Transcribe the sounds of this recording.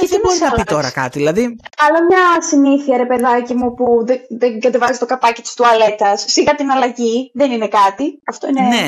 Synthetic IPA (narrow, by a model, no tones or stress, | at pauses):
eðebosɾinɐpit̪o̞ɾɐkɐ̰t̪iðilɐðiɐlɐmɲɐsiniθiɐɾe̞pe̞ðɐcimupuðeðeɡɐt̪e̞vɐzit̪o̞kɐpɐcit̪i̥st̪uɐle̞t̪ɐsːiɣɐt̪inɐlɐʝiðenine̞kɐt̪iɐft̪o̞inene